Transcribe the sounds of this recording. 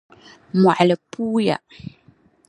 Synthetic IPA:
mwa˨ʔlə˨puː˦ja̰˨

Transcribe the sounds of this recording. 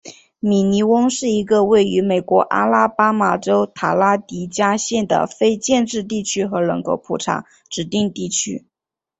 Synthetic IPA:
mi˨˩ni˧˥wʊ˥ŋʂɻ̩˥˩i˧˥ɡə˧we˥˩ɪy˧˥me˨˩ɪkwɔ˧˥ʔa̰˥la˥pa˥ma˨˩ʈ͡ʂo˥ʊt̪ʰa˨˩la˥t̪i˧˥t͡ɕja˥ɕjɛ˥˩nd̪ə̰˩fe˥ɪt͡ɕjɛ˥˧nʈ͡ʂɻ̩˥˧t̪̬i˥˩t͡ɕʰy˥xɤ˧˥lɤ̰˧˥ŋkʰo˧˥ʊpʰu˨˩ʈ͡ʂʰa̰˧˥ŋ | ʈ͡ʂɻ̩˨˩t̪i˥˧ŋt̪i˥˩t͡ɕʰy̰˥

